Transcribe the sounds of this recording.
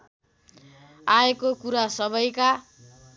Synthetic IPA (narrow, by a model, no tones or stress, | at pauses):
aekokuɾasʌbʌjka